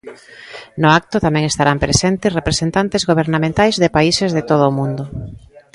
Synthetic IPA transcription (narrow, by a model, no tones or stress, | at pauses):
nʊak̚t̪ʊt̪amɛ̃ŋest̪aɾampɾesent̪ɪsrepɾesent̪ant̪ɪzɣoβ̞eɾnamẽnt̪ajzðepaisezðet̪oð̞ʊːmũnd̪ʊ